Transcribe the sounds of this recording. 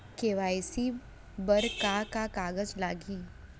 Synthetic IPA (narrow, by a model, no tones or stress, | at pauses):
keːʋaːjsi | bəɾkakakaːɣəd͡ʒlaːɡiː